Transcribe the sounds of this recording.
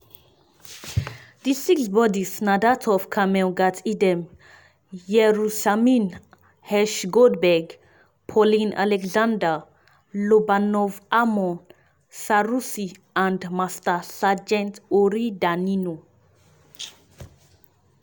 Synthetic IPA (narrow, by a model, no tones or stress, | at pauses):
d̪isiksbɔdisnad̪atʰɔfkʰamɛɡatʰid̪ɛ̃m | jɛɾusamĩn | hɛʃɡodbɛɡ | pʰɔlĩnʔa̰lɛkzãnda | lobanɔvamɔ̃n | saɾusi | ãndmastasad͡ʒɛ̃nt̪oɾid̪anino